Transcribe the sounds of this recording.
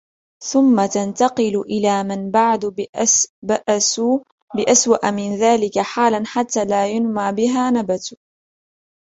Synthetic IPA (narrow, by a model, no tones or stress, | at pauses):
θʊmːat̪ant̪ɑqɨlʊʔɪlaːmanbaʕd̪ | baʔasu | bɪʔaswaʔamɪnðaːlɪkaħaːlanħat̪ːaːlaːjʊnmaʕbɪɦaːnabat̪